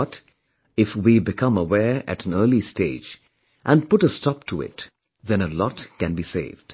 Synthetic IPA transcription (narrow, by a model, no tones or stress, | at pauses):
ʌt | ɪfwibɨkʰʌ̃məwɛɹɨ̰ɾ̃n̩ɜ˞listeɪd͡ʒ | ʔæ̃npʊʈəstɔp̚tʰuɪ̰t | ðɛ̃nəlɔtkɨ̃nbisḛɪvd̥